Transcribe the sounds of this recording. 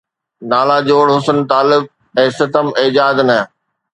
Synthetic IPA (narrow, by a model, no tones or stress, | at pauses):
naːlad͡ʑoːɽɦʊsənt̪aːlɪb̚ | ɛ̃ːsɪt̪əmeːd͡ʑaːd̪nɐ